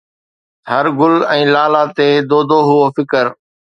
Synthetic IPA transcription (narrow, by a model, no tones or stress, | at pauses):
həɾɡʊlɛ̃ːlaːlaːt̪eːd̪oːd̪oːɦʊoːfɪkəɾ